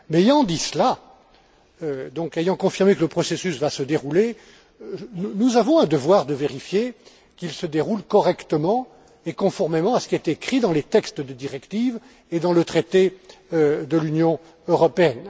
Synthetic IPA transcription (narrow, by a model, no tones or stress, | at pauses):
mɛejɑ̃d̪isəla | ød̪ɔ̃kejɑ̃kɔ̃fiʁmekələpχɔsesysvasəd̪eʁule | nunuzavɔ̃ɛ̃d̪əvwaʁd̪əveʁifje | kilsəd̪eʁulkɔʁɛkt̪əmɑ̃ | ekɔ̃fɔʁmemɑ̃asə̥kʲiɛt̪ːkχid̪ɑ̃let̪ɛkst̪d̪əd̪iʁɛkt̪iv | ed̪ɑ̃lət̪χet̪e | d̪əlynjɔ̃ | øʁɔpeɛn